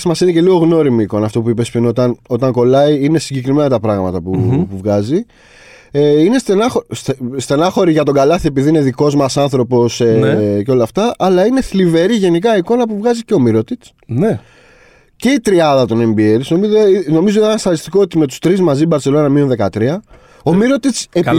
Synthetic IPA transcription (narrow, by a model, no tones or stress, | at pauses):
smɐsinece̞liɣo̞ɣno̞ɾimiːko̞nɐːft̪o̞puipe̞spino̞t̪ɐno̞t̪ɐŋko̞lɐiine̞siɲɟe̞kɾime̞nɐt̪ɐpɾɐɣmɐt̪ɐpupuvɣɐzi | eine̞st̪enɐxostest̪e̞nɐxo̞ɾiʝɐt̪o̞ɡɐlɐθie̞piðiine̞ðiko̞zmɐsɐnθɾo̞po̞seceo̞lɐːft̪ɐʔɐlɐine̞θlive̞ɾiʝenik̬ɐiko̞nɐpuvɣɐzice̞o̞miɾo̞t̪it͡s | ne | ce̞it̪ɾiɐðɐt̪o̞ne̞mbieɾsomiino̞mizoiðenɐsθɐðist̪iko̞ot̪ime̞t̪u̥st̪ɾizmɐzibɐɾt͡sse̞lo̞nɐmioðekɐt̪ɾiɐ | o̞miɾo̞t̪itse